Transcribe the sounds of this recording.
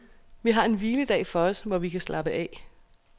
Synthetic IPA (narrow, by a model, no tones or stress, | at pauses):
ʋiɦɑ̈e̝nʋiːləd̥ɛ̰ːfɒ̽ɒ̽sʋɒʋikʰæslʔɑ̈b̥əʔɛ